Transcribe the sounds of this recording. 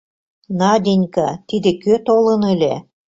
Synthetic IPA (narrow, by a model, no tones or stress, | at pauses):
nɑd̪ʲinʲkɑt̪id̪ĕkøt̪olɤ̆nelʲe